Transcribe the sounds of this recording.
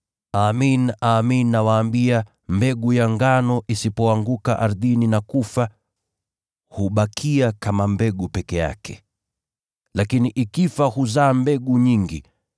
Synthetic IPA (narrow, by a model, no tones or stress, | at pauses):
aːminaːminːawaːmbia | mbɛɠujaŋɡanɔʔisipɔaŋɡukaʔaɾðininakufa | huɓakʰiakamambɛɠupɛkɛja̰kɛ̥̰ | lakiniʔikifahuzaːmbɛɠuɲiŋɡi